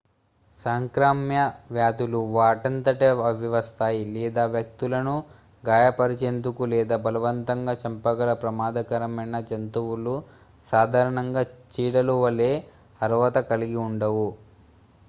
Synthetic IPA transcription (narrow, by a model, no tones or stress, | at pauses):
saːŋkɾaːmjɐʋjaːd̪uluʋaːʈɐnt̪ɐʈeɐʋiʋɐst̪aːjilɛːd̪aːʋjɐk̚t̪ulɐnu | ɡaːjɐpɐɾit͡ʃe̞ːnd̪ukulɛːd̪aːbɐlɐʋɐnt̪ɐŋɡaːt͡ʃɐmpɐɡɐɾɐpɾɐmaːd̪ɐkɐɾɐmɐnɐd͡ʒɐnt̪uwulu | saːd̪ʱaːɾɐɳɐŋɡaːt͡ʃiːɽɐluʋɐleː | ɐɾʋɐt̪ɐkɐliɡiuɳɖɐʋu